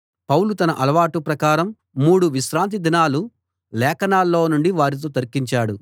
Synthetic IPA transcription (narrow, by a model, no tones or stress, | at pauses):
pɐwlut̪ɐnɐʔɐlɐʋaːʈupɾɐkaːɾɐmː | uːɽuʋiʃɾaːnt̪̬id̪inaːlu | lɛːkɐnaːlːo̞ːnuɳɖiʋaːɾit̪̬oːt̪ɐɾkiɲt͡ʃaːɽu